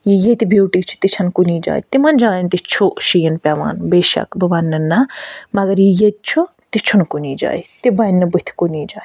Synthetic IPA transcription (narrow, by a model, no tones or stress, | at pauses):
jijet̪ibʱjuːʈiːt͡ʃʰu̥t̪it͡ʃʰɐnkuniːd͡ʒa̰ːḭt̪imɐnd͡ʒaːjnt̪it͡ʃʰuʃijɐnpʲaʋa̰ːnbeːʃɐ̰kbɐbɐnːɨnːɐmɐɡɐɾjijet̪̚t͡ʃʰu | t̪it͡ʃʰunkuniːd͡ʒa̰ːit̪ibɐjnːɨbɨt̪ʰi̥kuniːd͡ʒa̰ːi